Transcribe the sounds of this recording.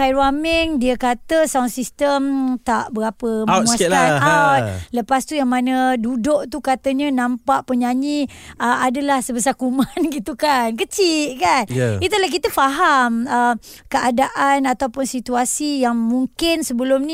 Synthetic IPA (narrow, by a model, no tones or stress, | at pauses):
kajɾuamɛŋdiəkat̪əsawnsist̪əmt̪aʔbəɾapəmuaanawt̪̚ləpast̪ujaŋmanədudʊʔt̪ukat̪əɲənãmpaʔpəɲaɲiəadəlahsəbəsakumanɡit̪ukankət͡ʃiʔkanit̪ulahk̬it̪əfaɦaməm | kəʔadaʔanat̪awpʊnsit̪uasijaŋmuŋkɪnsəbəlʊmnĩ